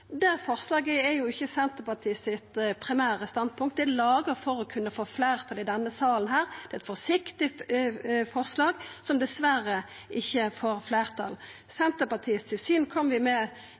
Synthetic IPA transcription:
d̪æɾfɔɾslɑːɡəɛjʊɪçːəsɛnt̪əpɑt̪ʰiːsɪt̪pʰɾɪmæːɾəst̪ɑnd̪̚pʰʊŋkt̪̚d̪ɛlɑːɡəɾfɔɾɔkʰʉnːəfoːfleːʁt̪ʰɑlɪd̪ɛnːəsɑːlənɦæːɾd̪ɛɛt̪fɔsɪkt̪ɪ | fɔʁslɑːɡsɔmd̪ɛsʋæɾə | ʔɪçːəfoːɾfleːʁt̪ʰɑ̰l | sɛnt̪əpɑt̪ʰiːst̪ʰɪlsyːnkʰɔmːəʋɪmɛ

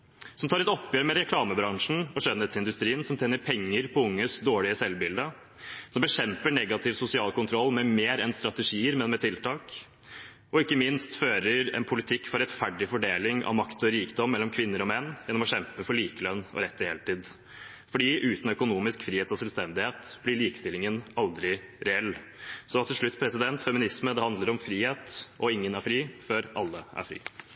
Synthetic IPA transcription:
sɔmt̪ʰɑːɾɛt̪ɔpːjøːɾəmɛɾɛkʰlɑːməbɾɑŋʂn̩ɔʂœnɛt̪sɪnd̪ʉst̪ɾiːənsɔmt̪ʰeːnəɾpʰɛŋːəɾpʰɔʊŋːəsd̪oːɭɪəsɛlbɪld̪ə | sɔmbəɕɛmpəɳɛɡɑt̪ʰɪʋsʊsɪɑːlkʊnt̪ʰɾɔlːmɛmeːɾɛnst̪ɾɑt̪əʂiːəɾmɛnmɛt̪ʰɪlt̪ɑːk | ɔɪkːəmɪnst̪føːɾəɾɛ̰npʰʊlɪt̪ʰɪkːfɔɾɛt̪fæɖɪfɔɖeːlɪŋɑ̰ʋmɑkt̪ɔɾiːkd̪ɔmːɛlːɔmkʰʋɪnːəɾɔmɛnːjɛnːɔmɔɕɛmpəfɔɭiːkəlœnːɔ̰ɾɛt̪ːɪheːləʈ̪iːd̪ | fɔɖiːʔʉːt̪n̩œkʊnuːmɪskfɾiːheːt̪ɔsɛlst̪ɛnd̪ɪheːt̪b̥lɪɭiːkə̥st̪ɪlːɪŋənɑld̪ɾɪɾɛɛlː | sɔt̪ʰɪlʂɭʉt̪ːpʰɾɛsɪd̪ɛnt̪fɛmɪnɪsməd̪ɛhɑnd̪ləɾɔmfɾiːheːt̪ʔɔɪŋːənæɾfɾiːføːɾʔɑ̰lːəʔæ̰ɾfɾḭː

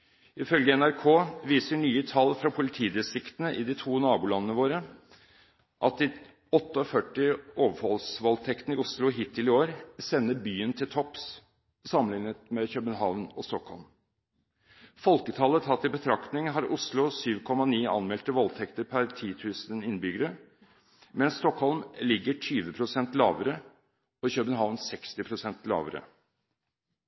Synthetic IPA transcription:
ɪfœlɡəɛnæɾkʰoːʋiːsəɳyːət̪ʰɑlfɾɑpʰʊlɪt̪ʰiːd̪ɛsɪkt̪ənəʔɪd̪ɪt̪ʰuːnɑːbuːlɑnənəʋoːɾə | ʔɑt̪̚d̪ɪ | ɔt̪ːəɔfœʈːɪoːʋəɾhɔlsʋɔlt̪ʰɛkt̪ən̩ɪʊslʊɦiːt̪ʰːɪlɪoːɾsɛnːəɾbyːənt̪ʰɪlt̪ʰɔps | sɑmːənɪŋət̪mɛçœbənɦɑːʋnɔst̪ɔkhɔlm | fɔlkət̪ʰɑːlət̪ʰɑt̪ːɪbət̪ʰɾɑkt̪nɪŋɦɑɾʔʊslʊsyːʋkʰɔmɑniːɑ̰nmɛlt̪əʋɔlt̪ʰɛkt̪əɾpʰæɾt̪ʰiːt̪ʰʉːsənɪnːbʏɡəɾə | mɛnst̪ɔkhɔlmlɪɡːəʈʰyːʋəpʰɾʊsɛnt̪lɑ̰ːʋəɾə | ɔɪçœbənɦɑːʋnsɛkst̪ɪpʰɾʊsɛnt̪lɑ̰ːʋəɾə̰

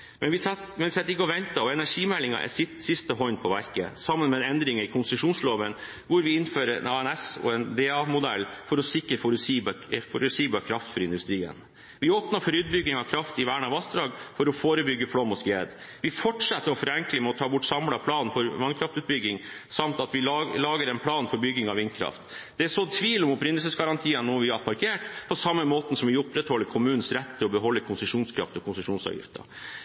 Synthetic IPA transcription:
mɛnʋɪmɛnɪsɛt̪ːɾɪkːəɔʋɛnt̪ɑɔɛnæʂiːmɛlɪŋɑ̰ʔɛ̰sɪt̪sɪst̪əɦɔnpʰɔʋæɾkə̰sɑmːənmɛd̪ɛnd̪ɾɪŋəɾɪkʰʊnsəʂuːnsloːʋən | ʋʊɾʋɪɪnføːɾəɛ̰nɑɛnɛsɔ̰ɛnd̪eːɑmʊd̪ɛ̰lːfɔɾɔsɪkːɾəfɔɾsibfɔɾsiːbɑkʰɾɑft̪fɔɾɪnd̪ʉst̪ɾiːə̰n | ʋɪoːpnɑɾfɔɾʉːt̪̚bʏɡːɪŋɑkʰɾɑft̪ɪʋæːɳɑʋɑsd̪ɾɑːɡfɔɾɔfoːɾəbʏɡːəfɽɔmːɔskeːd̪ | ʋɪfɔʈʂɛt̪ːəɾɔfɔɾɛŋkləmɛɔt̪ʰɑːbʊʈːsɑmlɑpʰlɑːnnfɔɾʋɑnkʰɾɑft̪ʉːt̪̚bʏɡːɪŋ | sɑmt̪ɑt̪ʋɪlɑːɡəɾɛnpʰlɑːnfɔɾbʏɡːɪŋɑʋɪnd̪kʰɾɑ̰ft̪d̪̥ɛɛʂɔt̪ʰʋiːlɔmʊpɾɪnd̪əlsəsɡɑɾɑnt̪ʰiːənːɔːʋɪɑpʰɑɾkʰeːʈpʰɔsɑmːəmoːt̪n̩sɔmʋɪʊpɾɛt̪hɔlːəɾkʰʊmʉːnn̩sɾɛt̪ːʰɪlɔbəɦɔlːəkʰʊnsəʂuːnskʰɾɑ̰ft̪ɔkʰʊnsəʂuːnsɑ̰ːʋjɪ̰ft̪ə̰

